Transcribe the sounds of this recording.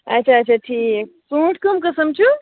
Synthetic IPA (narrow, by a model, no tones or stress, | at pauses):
ɐ̰tːt͡ʃʰaːt͡ʃʰaʈʰiːk̚ | sũːʈʰkɐmkɐsɐmt͡ʃʰu